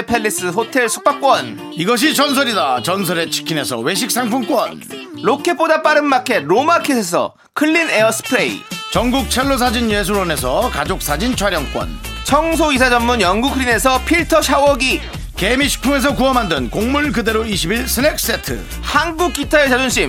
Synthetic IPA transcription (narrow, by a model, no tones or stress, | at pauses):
epʰeɭːis͈ɯɦotʰe̞ɭsʰu̥p͈ak͈wʌn | iɡʌɕ̬ʰit͡ɕʌns̬ʰʌɾidat͡ɕʌnsʰʌɾe̞t͡ɕʰi̥kʰine̞sʰʌ̰we̞ɕ̬ʰik̚s͈ʰaŋpʰuŋk͈wʌ̰n | ɾokʰep͈odap͈aɾɯnmakʰe̞ɾomakʰesʰes̬ʰʌ̰ | kʰɯɭːineʌsʰɯ̥pʰɯɾeḭt͡ɕʌŋɡuk̚t͡ɕʰeɭːos̬ʰad͡ʑinjes̬ʰuɾʌne̞s̬ʰʌkad͡ʑok̚s͈ad͡ʑint͡ɕʰwaɾjʌŋk͈wʌ̰n | t͡ɕʰʌŋs̬ʰoisʰad͡ʑʌmmunjʌŋɡukʰɯɾine̞s̬ʰʌpʰiɭtʰʌɕʰawʌɡi | kemiɕʰi̥pʰuŋe̞s̬ʰʌkuʌmɦandɯnkoŋmuɭkɯde̞ɾoiɕʰibiɭsʰɯnek̚s͈e̞tʰɯ̰ | hanɡuk̚k͈ːitʰaet͡ɕad͡ʑonɕ͈ʰim